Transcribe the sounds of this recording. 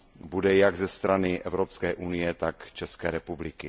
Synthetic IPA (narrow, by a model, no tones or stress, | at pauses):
budɛjaɡzɛst̪ɾanɪʔɛvɾopskɛːʔunɪjɛt̪akt͡ʃɛskɛːɾɛpublɪkɪ